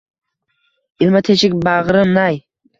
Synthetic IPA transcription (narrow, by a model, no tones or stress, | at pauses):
ɪlˠmat̪ʰet͡ʃɪkʲbaʁɾɨnaj